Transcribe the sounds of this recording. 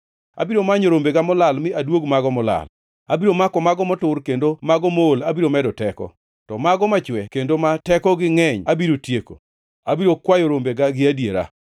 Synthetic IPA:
a̰biɾomaɲoɾombeɡamɔlalmɪadwoɡmaɡɔmɔla̰l | abiɾomakɔmaɡɔmɔtʊrkendomaɡɔmoːlabiɾomɛdɔtɛkɔ̰ | tɔmaɡɔmat͡ʃwɛkendomatɛkɔɡɪŋɛɲabiɾotjeko̰ | abiɾokwajɔɾombeɡaɡɪadjeɾa̰

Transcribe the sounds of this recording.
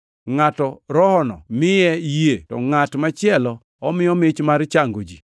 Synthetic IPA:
ŋatɔɾɔhɔnɔ̰mɪjɛjetɔ̰ŋatmat͡ʃɪɛlɔ | ɔmɪɔmɪt͡ʃmaɾt͡ʃaŋɡod͡ʒi

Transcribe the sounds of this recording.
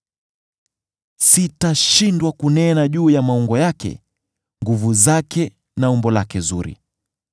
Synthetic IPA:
sitaʃindwakunɛnaʄuːjamauŋɡɔjakɛ̰ | ŋɡuvuzakɛ | naumbɔlakɛzuɾḭ

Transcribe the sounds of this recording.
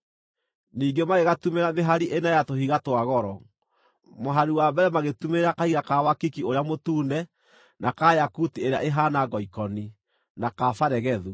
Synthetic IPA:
niːɡemaɣeɣatumeɾameɦaɾiʔenajatoɦiɣatwaɣɔɾɔ | moɦaɾuwabɛɾɛmaɣetumeɾakahiɣakawakikioɾeamotuːnɛ | nakajakutieɾea̰ʔeɦanaɡɔikɔni | nakafaɾɛɣɛðu

